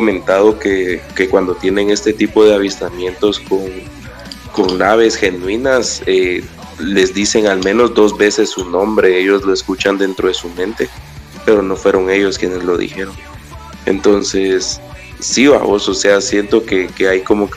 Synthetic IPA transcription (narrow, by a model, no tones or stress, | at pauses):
omẽ̞nt̪aðo̞keke̞kwand̪o̞t̪je̞ne̞ŋe̞st̪e̞t̪ipo̞ðe̞aβ̞ist̪amje̞nt̪o̞sko̞ŋ | ko̞ŋnaβ̞e̞sxe̞nwinase | le̞zd̪ise̞ŋalmẽ̞no̞zd̪o̞zβe̞se̞sːunõ̞mbɾe̞eʝo̞zlo̞eskut͡ʃand̪e̞nt̪ɾo̞ðesumẽ̞nt̪e̞ | pe̞ɾo̞no̞fwe̞ɾo̞ŋe̞ʝo̞skje̞ne̞zlo̞ðḭxe̞ɾo̞ŋ | ḛnt̪o̞nse̞sː | ioa̰βo̞soseasjent̪o̞ke̞keajko̞mo̞k